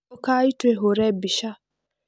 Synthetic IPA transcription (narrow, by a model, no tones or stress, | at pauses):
kaiteɦoɾɛbiʃa